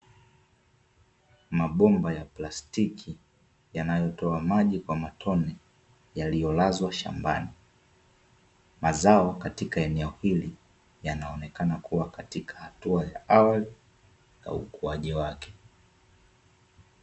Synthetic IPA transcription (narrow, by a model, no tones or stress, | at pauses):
maɓɔmbajaplastikʰi | janajɔtɔamaʄikwamatʰɔnɛ | jalijɔlazwaʃa̰mba̰ni | mazaɔkatikaɛnɛɔhili | janaɔnɛkanakʰuwakatikʰḁhatuajaawali | ja̰ukuaʄiwakɛ̥